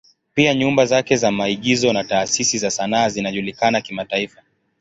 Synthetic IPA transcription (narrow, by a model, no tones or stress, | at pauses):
piaɲumbazakɛzamaiɠizɔnataːsisizasanaːzinaʄulikanakimataifa